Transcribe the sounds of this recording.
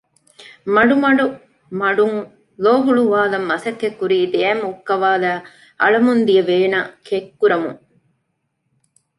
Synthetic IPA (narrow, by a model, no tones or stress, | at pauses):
mɐɽumɐɽu | mɐɖum | loːɦuɭuʋaːlɐmːɐsɐkːekːuɾid̪ejɐmukːɐʋaːlɐ | ɐ̰ɭɐmund̪ijɐʋeːnɐkekːuɾɐmṵ